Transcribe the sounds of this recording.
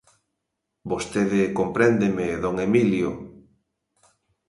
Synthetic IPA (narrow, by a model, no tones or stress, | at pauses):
bost̪eðɪkompɾɛnd̪emeðoŋemiljo̰